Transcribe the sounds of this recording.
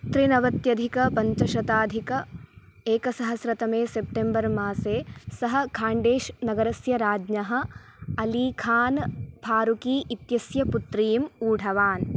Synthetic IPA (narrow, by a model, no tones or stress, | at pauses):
t̪ɾinɐʋɐt̪jɐd̪ʱikɐpɐɲt͡ʃɐʃɐt̪aːd̪ʱikɐ | eːkɐsɐɦɐsɾɐt̪ɐmeːsep̚ʈembɐɾmaːseːsɐɦɐ̆kʰaːɳɖeːʃnɐɡɐɾɐsjɐɾaːd͡ʒɲɐɦɐ̆ | ɐliːkʰaːnpʰaːɾukiːʔit̪jɐsjɐput̪ɾiːmuːɖʱɐʋaːn